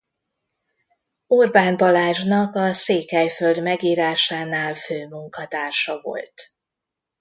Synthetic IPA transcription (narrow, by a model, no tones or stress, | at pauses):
urbaːnbɒlaːʒnɒkɒseːkɛjfø̞ld̪mɛɡiːɾaːʃaːnaːlføːmuŋkɒt̪aːrʃɒvo̞̰lt̪